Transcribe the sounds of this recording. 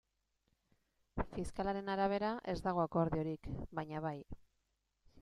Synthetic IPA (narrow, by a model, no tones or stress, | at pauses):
fiskalaɾe̞naɾaβ̞e̞ɾaʔe̞zd̪aɣ̞o̞ako̞ɾðio̞ɾikbaɲaβaj